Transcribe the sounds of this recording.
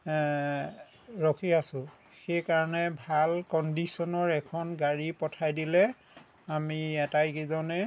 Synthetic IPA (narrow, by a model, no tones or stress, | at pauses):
ɹɔkʰiasʊ̃ | xejkaɹɔnɛbʱalkɔndisɔnɔɹɛkʰɔnɡaɹipɔtʰajdilɛ | amiɛtajkizɔnɛ